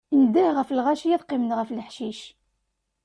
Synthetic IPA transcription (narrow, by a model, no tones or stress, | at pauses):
nd̪əhʁəfəlʁæʃjiðˤqimənʁəflħʃiʃ